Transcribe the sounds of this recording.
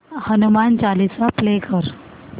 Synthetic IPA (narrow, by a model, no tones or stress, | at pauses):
hənumant͡ɕalit͡saplekəɾ